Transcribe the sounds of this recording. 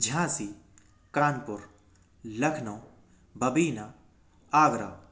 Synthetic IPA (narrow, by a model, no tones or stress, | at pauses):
d͡ʒʱãːsi | kaːnpʊɾ | lɐkʰnoː | bɐbiːna | aːɡɾa̰ː